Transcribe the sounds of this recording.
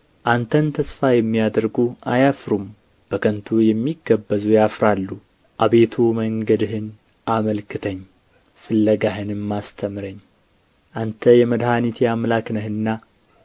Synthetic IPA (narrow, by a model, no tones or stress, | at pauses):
ʔant̪ʰənt̪ʰəsfajɛmːijad̪əɾɡuʔajafɾum | b̥əkʰənt̪ʰujɛmːiɡəbːəzujafɾalːu | ʔaβe̞t̪ʰuməŋɡəd̪ɨhɨn | ʔaməlkʰɨt̪ʰəɲː | fɨlːəɡaɦɨnɨmːast̪ʰəmɾəɲː | ʔant̪ʰəjɛməd̪hanit̪ʰjamlaknəhɨnːa